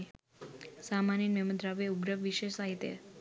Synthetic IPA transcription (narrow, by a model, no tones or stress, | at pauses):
samaninmeməd̪ɾaʋeuɡɾəʋʋiʃeʃsaɦit̪jḛ